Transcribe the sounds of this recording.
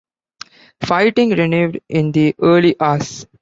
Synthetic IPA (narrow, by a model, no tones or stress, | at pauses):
faɪʈɪ̃ŋɡɾɪnuːʋɖɪ̃nd̪iʔəːliʔaːs